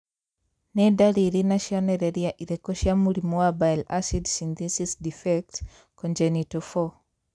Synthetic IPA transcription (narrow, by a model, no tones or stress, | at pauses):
nɛdaɾiɾinaʃjɔnɛɾɛɾjaʔiɾɛkɔʃjamuɾimɔwabajlasidsind̪isisdifɛk̚t | kɔnd͡ʒɛnitɔfɔ